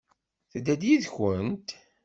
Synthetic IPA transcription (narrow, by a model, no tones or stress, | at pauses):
θəd̪ːæd̪jiðçənt̪